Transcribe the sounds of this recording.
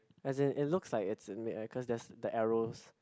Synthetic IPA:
ɛzɪ̃nʔɪtlʊkslaɪkɪtsɪmiɪkʰɔsdɛsdəʔɛɹos

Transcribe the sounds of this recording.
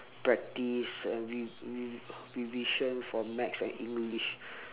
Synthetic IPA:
pɹɛk̚tisɛ̃nwii | wiviʃə̃nfɔmɛksɛ̰̃nĩŋɡliʃ

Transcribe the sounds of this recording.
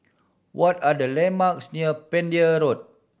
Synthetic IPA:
wʔɔtadəlemaksniəpɛ̃ndiəɾot̚

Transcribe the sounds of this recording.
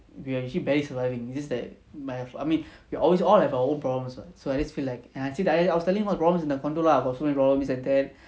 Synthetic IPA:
wiaɛkt͡ʃlibɛɹisəvajvĩŋid͡ʒɛsdat | majəfaɪmĩnwiʔɔlwes̬ɔlhɛvawəõnpɹɔblə̃msbatsoad͡ʒəsfilaɪkɛ̃naɪsɛdajsaɪwɔstɛlĩŋmɔəpɹɔblə̃msĩndəkɔ̃ntɹolaaɡɔtsomɛ̃nipɹɔblə̃msɛ̃ndɛt̚

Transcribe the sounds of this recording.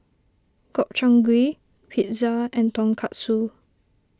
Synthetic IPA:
kɔp̚t͡ʃãŋɡwi | pʰit̚zaɛ̃ntɔ̃nkʰat̚su

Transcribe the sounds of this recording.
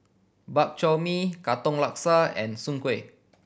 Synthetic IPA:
bap̚t͡ʃɔmikat̪ɔ̃ŋlak̚saɛ̰̃nsũŋkwe

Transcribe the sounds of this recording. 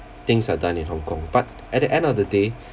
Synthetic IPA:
t̪ɪ̃ŋsadãnĩnɦɔ̃ŋkɔ̃ŋb̥at̚ | ʔɛt̚dəʔɛ̃ndɔfdəde

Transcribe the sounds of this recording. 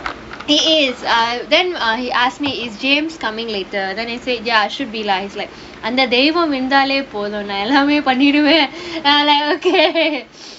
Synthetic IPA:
hiːɪzd̪ɛ̃nɦiʔaːssmiɪzd͡ʒẽːmskɐmɪ̃ŋɡleːʈəɾd̪ɛ̃naɪseːjaaɪʃʊɖ̚biːlaɦiːzlaɪk | ɐ̃nd̪ɐd̪ejʋɐmɪnd̪aːleːpoːd̪oːnːaɛlːameːpɐnːiɽuʋẽlaɪkoːke

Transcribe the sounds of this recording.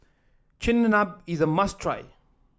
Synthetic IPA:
t͡ʃɪ̃nːənabizəmastʰɹa̰ɪ

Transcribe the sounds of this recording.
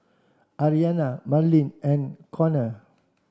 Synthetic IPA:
ʔaɹianamalĩnɛ̃nkʰɔnə

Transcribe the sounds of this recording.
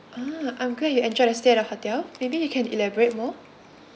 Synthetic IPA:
ʔaʔãjmɡɔə̃juɛ̃nd͡ʒɔdəsteɛɾaphatiaʊmebijukʰɛ̃nḭlɛbɔɹet̚mɔ

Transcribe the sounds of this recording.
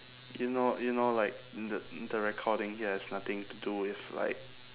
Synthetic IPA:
junojunolaɪk̚dədəɹɛkʰɔdɪ̃ŋhiəɛsnat̪ɪ̃ŋtuduɪfla̰ɪk̚

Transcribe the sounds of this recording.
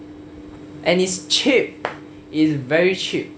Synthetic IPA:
ʔɛ̃nist͡ʃʰip̚ | ɪsvɛɹit͡ʃʰip̚

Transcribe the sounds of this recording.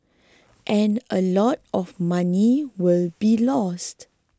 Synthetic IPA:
ʔɛ̃nʔəlɔt̚ɔfmãniwɪlbilɔst

